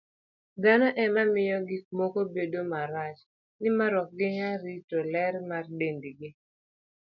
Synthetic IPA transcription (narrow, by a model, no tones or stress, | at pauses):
d̪anɔʔɛmamɪjɔɡɪkmɔkobedomaɾat͡ʃ | nɪmaɾɔk̚ɡɪɲaɾitolɛɾmardendiɡɪ